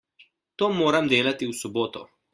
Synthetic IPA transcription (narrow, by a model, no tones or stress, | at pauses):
t̪oːmoːɾamd̪eːlat̪iusɔboːt̪ɔ̰